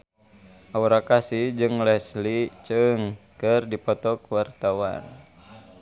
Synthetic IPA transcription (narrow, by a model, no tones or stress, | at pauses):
ʔauɾakasid͡ʒɨŋlɛslit͡ʃɨŋkɨrdipɔt̪ɔkwart̪awa̰n